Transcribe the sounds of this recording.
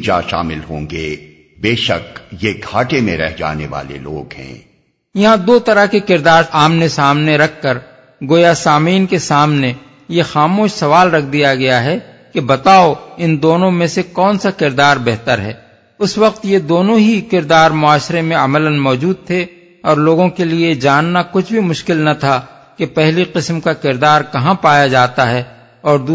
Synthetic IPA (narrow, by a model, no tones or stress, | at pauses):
d͡ʒa̰ʃa̰ːmɪlɦõ̰ːŋɡeː | beːʃəkjeɡʱaːʈemẽɾɛ̰ɦd͡ʒa̰ːnḛʋa̰ːlḛlo̰ːɡhɛ̰̃ː | jɐɦãd̪oːt̪ɐɾakekɪɾd̪aːɾaːmnesaːmneɾɐkʰːəɾ | ɡoːjasaːmiːnkesaːmne | jexaːmoːʃsɐʋaːlɾɐkʰd̪ijaɡɐjaɦɛ | kebɐt̪aːoɪnd̪oːnõmẽsekɔːnsakɪɾd̪aːɾbɛɦt̪əɾɦɛ̰ː | ʊswɐq̚t̪jed̪oːnõɦikɪɾd̪aːɾmʊaːʃɾemẽɐmələnmɔːd͡ʒuːd̪̚t̪ʰe | ɔːɾloːɡõkelied͡ʒaːnːakʊt͡ʃʰbʱimʊʃkɪlnɐt̪ʰa | kepɛɦliqɪsmkakɪɾd̪aːɾkɐɦãpaːjad͡ʒaːt̪aɦɛ | ɔːɾd̪u